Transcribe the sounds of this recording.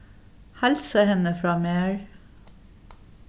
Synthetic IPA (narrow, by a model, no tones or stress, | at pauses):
hælsəhɛnəfɹɑːmeːɹ